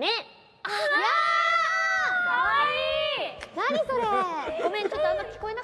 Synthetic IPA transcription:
ne | ja | aainaɲiso̞ɾeɡomẽt͡ɕot̪ːoãnːokʲi̥ko̞ena

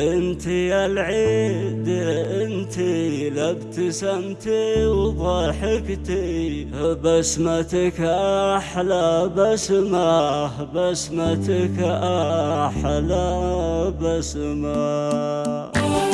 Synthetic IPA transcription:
ʔənt̪ialʕid̪əʔənt̪ilabt̪əsamt̪iwd̪ˤɑħəkt̪ihəbasmat̪əkʔaħlabasmahbasmat̪əkʔaħla | basma

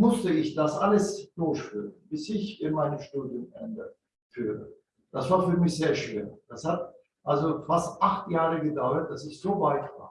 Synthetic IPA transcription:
mʊstəɪçd̥asʔaləsd̥oːçfyːʁənb̥ɪsɪçɪnmaɪnəmʃtuːdjʊmʔɛ̰ndə | fyːʁə̰ | d̥asv̥aːɐfyːɐmɪçz̥eːɐʃv̥eːd̥ashat | ʔalzofastʔaχtjaːʁəɡədaʊɐt̚d̥asɪçz̥oːvaɪtv̥a̰ːɐ

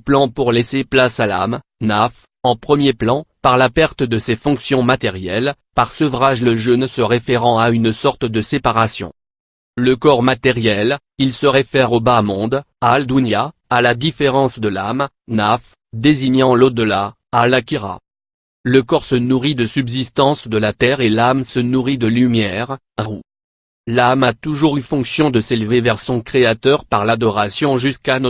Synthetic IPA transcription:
plɑ̃puʁlɛseplasala̰m | naf | ɑ̃pχəmjeplɑ̃paʁlapɛʁt̪əd̪əsefɔ̃ksjɔ̃mat̪ɛʁjɛlpaʁsəvʁaʒləʒonsəʁefeʁɑ̃aynsɔʁt̪d̪əsepaʁasjɔ̰̃ | ləkɔʁmat̪ɛʁjɛl | ilsəʁefɛʁobamɔ̃d̪ | aːld̪unjaː | lad̪ifeʁɑ̃sd̪əlam | naf | d̪eziɲɑ̃lod̪əla | alakʲiʁa̰ | ləkɔʁsənuʁid̪əsybzist̪ɑ̃sd̪əlat̪ɛʁelamsənuʁid̪əlymjɛʁ | ʁu | lamat̪uʒuʁyfɔ̃ksjɔ̃d̪əselvevɛʁsɔ̃kχeat̪œʁpaʁlad̪ɔʁasjɔ̃ʒyskan

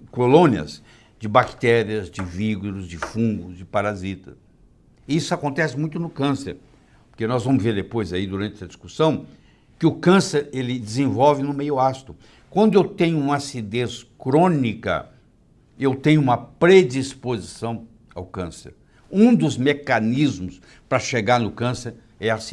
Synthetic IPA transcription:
kolõniɐ̰z | d͡ʒɪbakt̪ɛɾiɐzd͡ʒɪviɡʊɾʊzd͡ʒɪfũɡʊzd͡ʒɪpaɾazit̪ɐ̥ | isʊakõnt̪ɛsɪmũj̃t̪ʊnʊkɐ̃sḛɾ | pʊɾkenɔzvɐ̃mʊzveɾd̪epojzaid̪uɾɐ̃nt͡ʃɪɐd͡ʒiskusɐ̃w̃ | kɪʊkɐ̃seɾelɪd͡ʒɪzẽvɔwvɪnʊmejʊast̪ʊ | kwɐ̃nd̪ʊewt̪ẽɲʊũmɐasid̪ẽskɾõnikɐ̰ | ewt̪ẽɲʊumɐpɾed͡ʒispozisɐ̃w̃ | a̰wkɐ̃sḛɾ | ũd̪ʊzmekanizmʊs | pɾɐʃeɡaɾnʊkɐ̃seɾ | ɛas

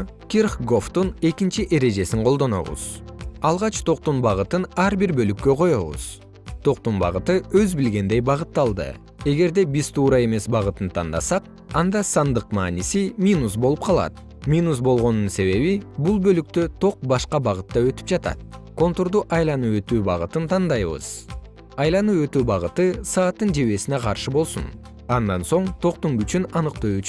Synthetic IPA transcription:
kʲirχɡo̞ft̪une̞kint͡ʃiʔe̞ɾe̞d͡ʒe̞siɴqʰo̞lˠd̪o̞no̞̰βṵz̥ɑlˠʁɑt͡ʃt̪ʰo̞qt̪unbɑʁɯt̪ɯnɑɾbiɾbølykːø̞qʰo̞jo̞βṵz̥ | t̪ʰo̞q̚t̪unbɑ̰ʁɯt̪ɯøzbilɡe̞nd̪e̞jbɑʁɯt̪ːɑlˠd̪ɯ̰ | e̞ɡe̞ɾd̪e̞biz̥t̪ʰuːɾɑe̞me̞sbɑʁɯt̪ɯnt̪ʰɑnd̪ɑ̰sɑq̚ | ɑnd̪ɑsɑnd̪ɯqmɑ̰ːnisimʲinus̬bo̞lˠup̚qʰɑlˠɑ̰t̪ | mʲinusbo̞lˠʁo̞nːunse̞βe̞βibulˠbølyk̚t̪ø̞t̪ʰo̞q̚bɑʃqɑbɑʁɯt̪ːɑø̞t̪y̥p̚d͡ʒɑt̪ɑ̰t̪̚ko̞nt̪oɾd̪uʔɑjlˠɑnuø̞t̪yːbɑʁɯt̪ɯnt̪ʰɑnd̪ɑjβɯ̰z̥ | ɑjlˠɑnuø̞t̪yːbɑʁɯt̪ɯsɑːt̪ːɯnd͡ʒe̞βe̞sineqʰɑɾʃɯbo̞lˠsṵn | ɑnd̪ɑnso̞ɴt̪ʰo̞q̚t̪uŋɡyt͡ʃynɑnɯqt̪oyt͡ʃ

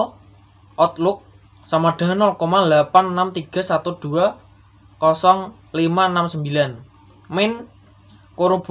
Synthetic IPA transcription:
ʔɔt̪̚lʊk̚ | samaɖ̥a̤ŋanːɔlkɔmalapanənamt̪iɡ̥a̤sat̪ud̪̥ṳa | kɔsɔŋ | limaənamsəmbilan | mɪn | koɾub̥

